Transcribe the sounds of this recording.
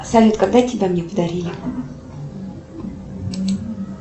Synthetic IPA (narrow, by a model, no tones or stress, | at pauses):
salʲut̪kɐɡ̚d̪atʲɪbʲamnʲepəd̪ɐɾʲilʲɪ